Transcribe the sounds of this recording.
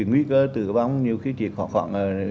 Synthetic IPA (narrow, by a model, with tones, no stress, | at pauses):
i˨˩ŋwi˧˦kəː˧t̪ɨ̰˧˩˨va˧wŋ͡mɲi˨˩əwxi˧˦t͡ɕḭ˨˧˨əhɔ̰˧˩xwa̰˧˩˦nʔə˨˩